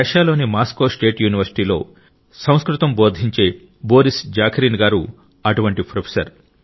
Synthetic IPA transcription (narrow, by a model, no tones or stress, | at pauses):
ɐʂaːlo̞ːnimaːskoːsʈe̞ːʈjuːniʋɐɾsi̥ʈiːlo̞̰ː | sɐ̃w̃skɾut̪ɐmbo̞ːd̪ʱiɲt͡ʃe̞ː | bo̞ːɾisd͡ʒaːkʰɾiːnɡaːɾu | ɐʈuʋɐɳʈipʰɾopʰi̥sɐɾ